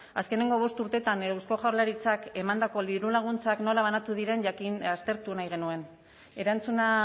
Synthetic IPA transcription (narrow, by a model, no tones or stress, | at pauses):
aske̞ne̞ŋɡo̞β̞o̞st̪uɾt̪e̞t̪anewsko̞ʝawɾlaɾit͡sake̞mand̪ako̞liɾulaɣ̞unt͡sakno̞laβ̞anat̪uð̞iɾe̞ɲʝakinast̪e̞ɾt̪unajɣ̞e̞nue̞n | e̞ɾant͡suna